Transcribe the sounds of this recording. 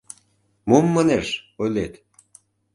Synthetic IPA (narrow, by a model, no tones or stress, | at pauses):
momːəneʃojlet̪